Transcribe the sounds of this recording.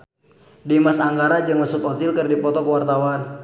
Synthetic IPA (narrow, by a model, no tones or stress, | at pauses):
dimasaŋɡaɾad͡ʒəŋəsut̪ɔt̪ilkərdipɔt̪ɔkəwart̪awan